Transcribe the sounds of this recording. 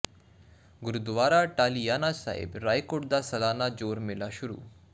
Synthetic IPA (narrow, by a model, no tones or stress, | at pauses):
ɡuɾud̪ʋaːɾaʈaːlijaːnasa̰ːɦḭbɾaːjkoʈd̪asɐlaːnad͡ʒoːɾmelaʃuɾṵː